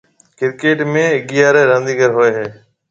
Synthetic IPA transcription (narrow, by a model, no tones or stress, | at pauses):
kɪɾkeːʈmẽːɪɡijaːɾeːɾə̃nd̪iːɡəɾɦoːeːɦeː